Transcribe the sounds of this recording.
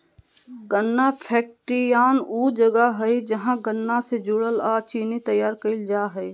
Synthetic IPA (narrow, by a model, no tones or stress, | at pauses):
ɡənːapʰɛːk̚ʈɾijaːnuːd͡ʒəɡaɦəid͡ʒəɦãɡənːased͡ʒʊɽəlaːt͡ʃiːnit̪əjːaːɾkəɪld͡ʒaːɦɛi